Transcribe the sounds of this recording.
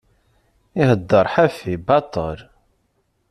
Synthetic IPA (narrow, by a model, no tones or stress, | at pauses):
iɦəd̪ːəɾˤħæfibɑt̪ˤə̰ɾ